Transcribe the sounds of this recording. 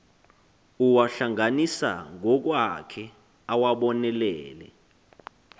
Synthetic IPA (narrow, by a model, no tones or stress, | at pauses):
uwaɬaŋanisa̰ŋɔk̬wakʰɛ | awaɓɔnɛlɛːlɛ̰